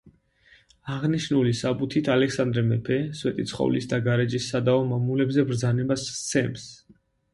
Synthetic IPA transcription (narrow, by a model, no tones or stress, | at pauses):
aʁniʃnulisabut̪ʰit̪ʰalɛksand̪ɾɛmɛpʰɛswɛt̪ʼit̪sʰχɔ̰vlisd̪aɡaɾɛd͡ʒisːad̪aɔmamulɛbzɛbɾd̪zanɛbast̪sʰɛms